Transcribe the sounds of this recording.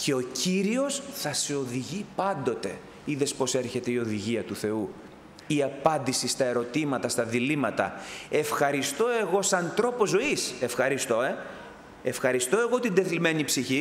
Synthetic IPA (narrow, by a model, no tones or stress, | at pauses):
cʰe̞o̞ciɾio̞sθɐse̞o̞ðiʝipɐnd̪o̞t̪e̞ | iðe̞spo̞se̞ɾçe̞t̪e̞io̞ðiʝiɐt̪uθe̞u | iɐpɐnd̪isist̪ɐe̞ɾo̞t̪imɐt̪ɐst̪ɐðilimɐt̪ɐ̰e̞fxɐɾist̪o̞e̞ɣo̞sɐnt̪ɾo̞po̞zo̞ise̞fxɐɾist̪o̞e | e̞fxɐɾist̪o̞e̞ɣo̞t̪ind̪e̞θlime̞nipsiçi